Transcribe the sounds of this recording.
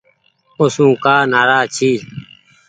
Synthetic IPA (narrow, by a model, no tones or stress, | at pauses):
ʊsũːkaːnaːɾaːt͡ʃʰiː